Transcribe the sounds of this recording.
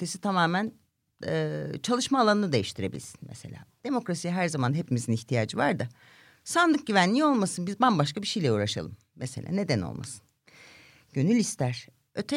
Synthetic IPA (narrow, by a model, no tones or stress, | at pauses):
t̪ʰesit̪ʰamaːmænː | t͡ʃʰalˠɯʃmaːlˠanɯnɯd̪e̞jiʃt̪ʰiɾe̞bḭlʲsi̥nmḛse̞̰lʲa̰ːd̪̥e̞mo̞kɾasijaɦæɾzamanɦepimiziniçt̪ʰijaːd͡ʒɯvaɾd̪ɯ | sand̪ˠɯk̚ɟyvænlʲiolˠmasɯnbizbanbaʃkabiʃejlʲɛuːɾaʃa̰lˠɯm | meselʲʔa̰ːne̞d̪æno̰lˠma̰sɯ̥n | ɟ̥ø̞nylʲist̪ʰæɾ̥ | øt̪ʰɛ